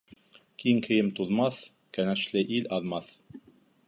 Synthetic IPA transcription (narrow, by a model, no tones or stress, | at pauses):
kiŋkʰɘ̆jɘmt̪uðmɑθ | kænæʃlɘʔilɑðmɑθ